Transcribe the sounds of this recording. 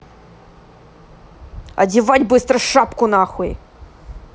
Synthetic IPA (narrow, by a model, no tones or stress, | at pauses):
ɐ̰dʲɪvatʲbɨst̪ɾəʂapkʊnaxʊḭ